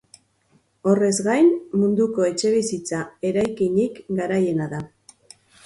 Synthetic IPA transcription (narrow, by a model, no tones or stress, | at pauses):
o̞re̞zɡajnmund̪uko̞e̞t͡ʃe̞β̞isit͡sae̞ɾajkiɲikɡaɾaje̞naða